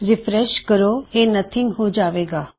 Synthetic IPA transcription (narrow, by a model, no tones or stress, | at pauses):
ɾɪfɾɛʃkəɾoeːnət̪ʰɪ̃ŋɡɦod͡ʒaːʋeːɡaː